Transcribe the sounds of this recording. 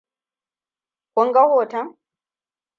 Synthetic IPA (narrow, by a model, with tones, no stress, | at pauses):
kʷɔ˦ŋɡa˦hoː˨tɐ˦ŋ